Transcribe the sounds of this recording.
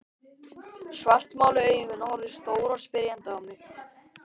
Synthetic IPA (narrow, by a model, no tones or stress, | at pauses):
svar̥t̪maːwlɪœːɥjɣʏnːahɔɾðʏ̥st̪oːwɾɔspɪɾjant̪aːwmɪx